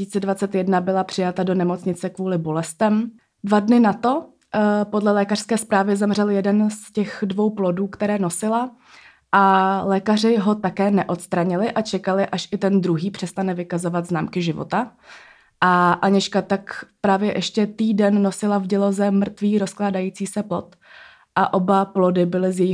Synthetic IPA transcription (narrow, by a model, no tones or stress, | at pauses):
it͡sɛdvat͡sɛt̪jɛdnabɪlapr̝̥ɪjat̪ado̞nɛmo̞t͡sɲɪt͡sɛkvuːlɪbo̞lɛst̪ɛm | dvadnɪnat̪o̞ | po̞dlɛlɛːkar̥skɛːspɾaːvɪzɛmr̝ɛljɛdɛnscɛxdvo̞wplo̞duːkt̪ɛɾɛːno̞sɪla | ʔalɛːkar̝ɪɦo̞t̪akɛːnɛʔo̞t̪st̪ɾaɲɪlɪʔat͡ʃɛkalɪʔaʃʔɪt̪ɛnd̪ɾuɦiːpr̝̥ɛst̪anɛvɪkazo̞vad̪znaːmkɪʒɪvo̰t̪a | ʔaʔaɲɛʃkat̪akpɾaːvjɛʔɛʃcɛt̪iːdɛnːo̞sɪlavɟɛlo̞zɛmr̩t̪viːɾo̞sklaːdajit͡siːsɛplo̞̰t̪ | ʔaʔo̞baplo̞dɪbɪlɪzjɛjɪ